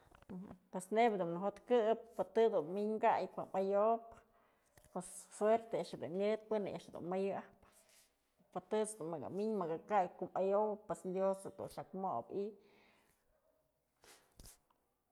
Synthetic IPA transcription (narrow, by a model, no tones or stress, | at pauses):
pesnebd̪unnɨɦot̪kɨp̚ːɨt̪ɨd̪unmiɲɡajkamajop | pwesfweɾt̪eaʔʂɨd̪ṵnɲɨt̪̚pɨnɨjʔa̰ʔʂhd̪ṵnmajɨap | pɨt̪ɨt͡sd̪unmɨɡa̰miɲmɨɡakajkumajowpːwesd̪josad̪ṵnʂakmobi